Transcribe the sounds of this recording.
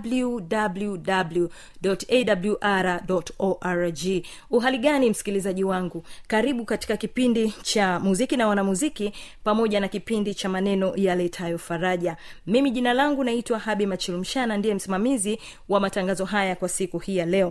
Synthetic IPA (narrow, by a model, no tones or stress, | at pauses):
bludabluɗablu | ɗɔtɛɗabljuʔaɾaɗɔtɔʔaɹd͡ʒi | uɦaliɠanim̩si̥kilizaʄiwaŋɡukaɾiɓukati̥kakipindit͡ʃamuzikinawanamuzikipamɔʄanakipindit͡ʃamanɛnɔjalɛtʰajɔfaɾaʄamimiʄinalaŋɡunaitwahaɓimat͡ʃilum̩ʃanandiɛm̩simamizi | wamataŋɡazɔɦajakwasikuhijalɛɔ